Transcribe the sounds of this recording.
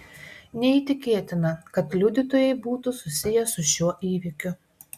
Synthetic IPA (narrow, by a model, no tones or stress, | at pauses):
nʲɛiːˑt̪ʲɪkʲeːt̪ʲɪnɐkɐt̪lʲʊd̪ʲɪt̪oːjɛɪbuːt̪ʊsʊsʲɪjɛsʊʃʲuɔʔiːʋʲɪkʲʊ